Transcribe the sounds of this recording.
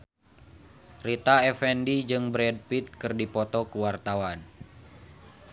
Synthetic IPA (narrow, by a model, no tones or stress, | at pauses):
rit̪aɛfɛndid͡ʒɨŋbɾɛd̚pit̪̚kɨrdipɔt̪ɔkəwart̪awan